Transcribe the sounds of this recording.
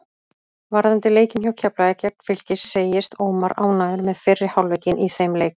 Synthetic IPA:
vaɾðant̪ɪleːjcɪnçawcʰaplaðɛcak̚n̥fɪl̥cɪsseːjɪst̪oːwmaɾa̰ːwnaːðʏɾmɛðfɪrːɪhawlvejcɪnʔiθejmlejk

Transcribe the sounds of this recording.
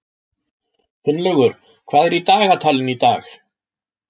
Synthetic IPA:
fʏnlɛɣʏɾ̥ | kʰv̥aːðɛɾit̪aːɣat̪ʰaːlɪnit̪a̰ːx

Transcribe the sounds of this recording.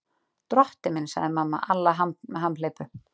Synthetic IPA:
t̪ɾɔht̪ɪmɪnsa̰ɣðɪmamːa̰ʔalːaɦamɦamːleːjpʏ

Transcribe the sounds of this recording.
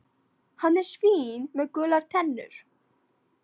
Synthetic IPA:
hanːɛɾ̥sviːnmɛðkœːlaɾ̥t̪ʰɛnːʏ̰ɾ̥

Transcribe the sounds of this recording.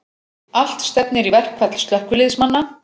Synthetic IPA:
al̥t̪st̪ɛpnɪɾivɛr̥kʰvɛt̪l̥st̪lœhkʏlɪðsmanːa

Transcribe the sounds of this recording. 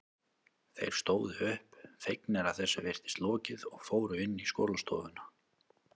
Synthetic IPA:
θḛjɾ̥st̪oːwðʏʏhpfejknɛɾavθɛsːavɪr̥t̪ɪ̥st̪lɔːcɪðɔɣfoːwɾʏɪnːisko̰ːlast̪o̰ːðʏnḁ

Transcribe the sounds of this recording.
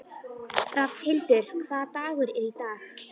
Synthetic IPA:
ɾafhɪlt̪ʏɾ̥kʰθaːðt̪aːɣʏɾɪɾit̪aːx

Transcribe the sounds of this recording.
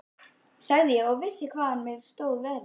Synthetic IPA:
saɣðɪjɛɔɣvɪsːɪkʰvaːanmɪð̥st̪oːwvɛːɾ

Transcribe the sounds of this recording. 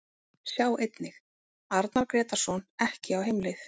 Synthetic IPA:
sjaːwʔejt̪nɪx | aɾt̪naɾkɾɛːt̪aɾ̥sɔnɛhcɪawɦejmlɪθ

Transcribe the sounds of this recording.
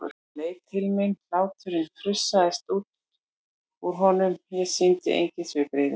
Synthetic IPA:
ɔ̰ɾ | leːjt̪ʰːɪlmɪnlaːwt̪ʰʏɾɪnθʰɾʏsːaðɪst̪uːt̪ | uɾ̥ɦɔnʏmjɛðsint̪ɪ̰ʔḛjɲcɪnsvɪpɾɪːðɪ

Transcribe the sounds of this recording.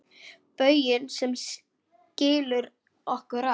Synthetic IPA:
pœːɥjɪnsɛms | cɪːlʏɾ | ɔhkʏɾa

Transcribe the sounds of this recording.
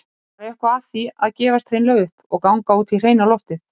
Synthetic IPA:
aɾɛhkʏaθiaðcɛːvast̪ʰɾejnlœɣʏhpɔɣkawŋkauːt̪ʰɪlr̥eːjnalɔft̪ɪθ

